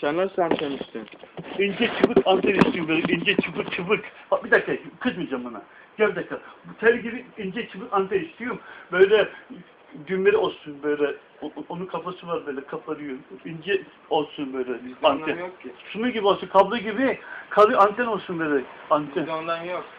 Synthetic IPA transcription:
sanːˠasant̪ʰɛniʃt̪ʰinind͡ʒɛt͡ʃʰɯpɯkʰant̪ʰɛniʃt̪ʰijombøjlɛind͡ʒɛt͡ʃʰɯpɯkt͡ʃʰɯpɯkabid̪aklakʰɯt͡ʃmɯd͡ʒambana̰ | ɟ̥ɛbʲid̪akːat̪ʰɛɾʲiɟibiind͡ʒɛt͡ʃʰɯpɯkant̪ʰɛniʃt̪ʰijombøjlʲɛ | ɟynveɾiosunbøjlʲɛ | onunkʰapasɯvaɾbøjlʲɛkʰapʰaɾɯjoind͡ʒɛ | osunbøjlʲɛanjksunuɡʲibiosukʰablˠuɟibikʰalˠɯjant̪ʰɛnosunbøjlʲɛant̪ʰɛnond̪anjok

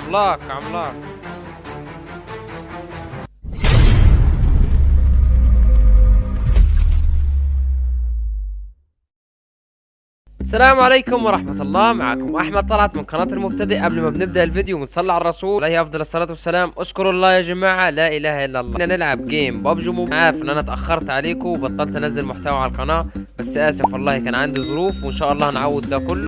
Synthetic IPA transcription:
lːɑːkʕamlɑː | ʔæsːælæːmʕalajkʊmwɑɾˤɑħmæt̪ɑlˤːɑːmaʕa̰ːkʊmʔaħmæd̪̚t̪ˤɑlʕɑt̪mɪnqɑnɑːt̪ɪlmʊb̚t̪æd̪ɪʔʔæblmæbnɪb̚d̪æʔɪlvɪd̪jomɪnsˤɑlːʕaɑrˤːɑsuːlejhʔɑfd̪ˤɑlɑsˤːɑlɑːt̪wæsːælæːmʔɑʃkʊɾˤʔɑlˤːɑːjæːd͡ʒæmaːʕalæːʔɪlæːhaʔɪlːælˤːɑnænɪlʕab̚ɡeːmbɑbʒumunʕaːɾɪfʔɪnːʔænæt̪ʔæxːɑɾˤt̪ʕaleːkʊwbɑt̪ˤːɑlt̪næzːalmʊħt̪æwʕalælqɑnɑː | bæsːʔæːsɪmfɑlˤːɑːhkæːnʕand̪izˤʊɾuːfwɪnʃæːʔɑlˤːɑːnʕawːɪd̪ːækʊlː

